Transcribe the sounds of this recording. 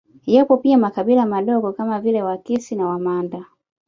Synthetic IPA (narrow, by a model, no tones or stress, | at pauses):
japɔpiamakabilamaɗɔɡɔkamavilɛwakisinawamanda